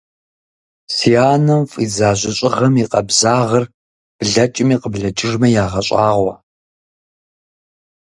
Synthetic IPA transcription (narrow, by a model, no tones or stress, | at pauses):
siaːnɐmfʼḭːzaːʑʷɪɕʼɪʁɐmiqɐbzaːʁɐr | b̥ɮɐt͡ʃʼɪmiːqəbɮɐt͡ʃʼɪʐmɐjaːʁɐɕʼaːʁʷɐ̰